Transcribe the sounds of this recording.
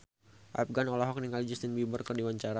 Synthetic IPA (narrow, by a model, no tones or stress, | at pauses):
ʔa̰p̚ɡanɔlɔɦɔk̚niŋalid͡ʒust̪inbimərkərdiwaɲt͡ʃaɾa